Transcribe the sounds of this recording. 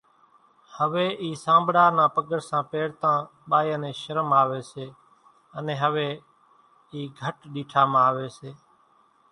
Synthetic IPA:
həʋeːʔiːsãːmbɽaːnãːpəɡəɽsãːpeːɽt̪ãː | ɓaːjaːnẽːʃəɾəmaːʋeːseː | ənẽːɦəʋeː | iːɡʱəʈɗiːʈʰaːmãːʋeːseː

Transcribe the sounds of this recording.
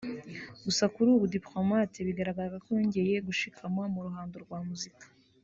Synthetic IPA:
ɡ̥usakuɾuβudiplo̞matiβiɡaɾaɡaɾaɡakoɲɟe̞je̞ɡuʃikʰamwamuɾuɦaːndoɾɡwaːmuzikḁ

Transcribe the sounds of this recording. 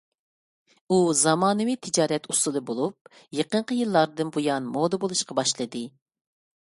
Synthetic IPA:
uzɑmɑːnɨwit̪ʰɪd͡ʒɑːɾɛt̪ʰusɨlˠɨbolˠup̚ | jeqəɴqəjilˠːɑɾd̪ɨnbujɑnmod̪ɨbolˠuʃqɑbɑʃlˠɨd̪ɨ

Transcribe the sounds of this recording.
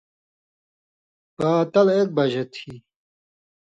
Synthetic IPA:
paːt̪ɐlek̚bɐʑet̪ʰi

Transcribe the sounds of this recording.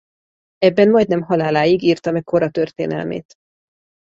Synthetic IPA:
ɛbːɛnmɒjd̪nɛmɦɒlaːlaːjiɡiːrt̪ɒmɛkkʰːo̞ɾɒt̪ørt̪ḛːnɛ̰lmḛːt̪

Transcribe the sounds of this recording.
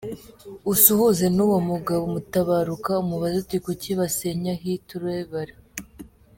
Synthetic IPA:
usuhuze̞nuwomuɡaβomutaβaɾukaumuβazotikociβaseɲaɦituɾweβaɾe

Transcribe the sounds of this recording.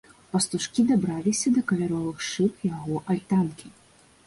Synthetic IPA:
pɐst̪uʂkʲid̪abɾalʲisʲɐd̪ɐkɐvʲaɾɔvɨxʂɨpjaɣɔʔalʲt̪ankʲi

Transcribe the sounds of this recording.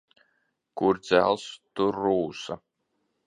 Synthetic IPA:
kuɾd̪z̥ʲæ̰lˠst̪uɾːuːsa

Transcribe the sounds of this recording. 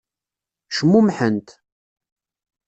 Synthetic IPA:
ʃəmːumħənt̪

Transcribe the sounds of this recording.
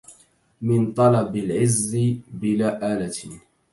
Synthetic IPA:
mɪnt̪ˤɑlɑbɪlʕɪzːɪbɪlaːʔaːlat̪

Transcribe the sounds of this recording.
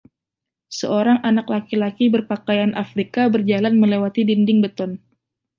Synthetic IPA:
səoɾaŋʔanaklakilakibərpakajanʔafɾikabərd͡ʒalanməlewat̪idindɪŋbət̪ɔn

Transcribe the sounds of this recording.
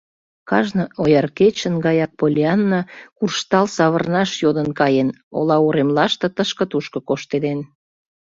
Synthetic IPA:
kɑʒnəojɑrket͡ɕə̆nɡɑjɑk̚polʲiɑnːɑkurʃt̪ɑlsɑβərnɑʃjod̪ənkɑjeno̰lɑoɾemlɑʃt̪ɤ̆t̪əʃkə̆t̪uʃkɤ̆koʃt̪ed̪en

